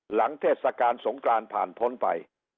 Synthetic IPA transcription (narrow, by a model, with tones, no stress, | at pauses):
la˩˦ŋt̪ʰeː˥˩t̪̚sa˧kaː˧nso˩˦ŋklaː˧npʰa̰ː˨˩npʰo˦˥npa̰˧j